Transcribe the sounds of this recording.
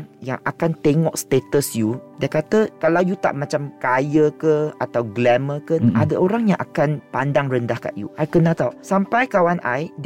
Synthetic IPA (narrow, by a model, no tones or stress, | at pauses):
jaŋakant̪eŋɔʔst̪et̪əsjudakat̪əkalawjut̪a̰ʔmãt͡ʃamkajəkəat̪awɡlɛməkənadaʔoɾaŋjaŋʔakanpandaŋrəndahka̰ʔjṵʔajkənat̪awsampajkawanʔa̰jd